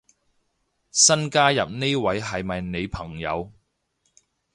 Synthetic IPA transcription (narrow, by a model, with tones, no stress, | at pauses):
sɐ˥nkaː˥jɐ˨p̚ne˥jwɐ˨˥jɦɐ˨jmɐ˨jne˨˧jpʰɐ˨˩ŋjɐ̰˨˧w